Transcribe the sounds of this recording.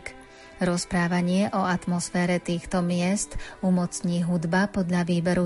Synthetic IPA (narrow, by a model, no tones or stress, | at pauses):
k | ɾɔspɾaːʋaɲɪɛʔɔat̪mɔsfɛːɾɛt̪iːxt̪ɔmɪɛst̪umɔt͡sɲiːɦud̪bapɔd̪ʎaʋiːbɛɾu